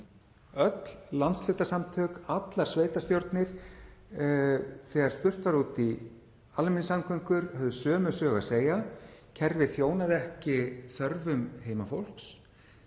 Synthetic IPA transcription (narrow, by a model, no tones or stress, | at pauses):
œt̪llant̪slʏht̪asamt̪ʰœːkat̪laɾ̥sveːjt̪ast̪jowɾt̪nɪɾ̥ | θɛːɣaɾ̥spʏr̥t̪vaɾuːt̪i | almɪnsaŋkʰʏŋkʏɾhœvðʏsœːmʏsœːɣaseːjacʰɛɾvɪθjoːwnaðɛhcɪθœɾvʏmheːjmafowl̥ks